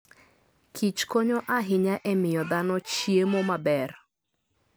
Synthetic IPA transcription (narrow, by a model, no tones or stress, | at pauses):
kʰit͡ʃkoɲɔʔaɦɪɲaʔɛmɪjɔd̪anɔt͡ʃiemomabɛr